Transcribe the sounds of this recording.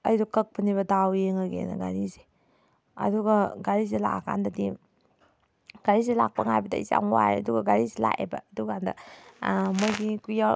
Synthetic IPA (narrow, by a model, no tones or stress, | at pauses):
ɐjdɔkɐk̚pʰɐniβɐdawjeŋɐɡḛnɐ̰ɡaɾize̥ | ɐ̰duɡɐɡaɾisela̰ʔakʰa̰ndɐdi | ɡ̥aɾiselak̚pɐŋajbɐdɐ̰iza̰ŋwaɾeɐduɡɐɡaɾisela̰ʔebɐːduɡandɐ̰ | mojɡikuja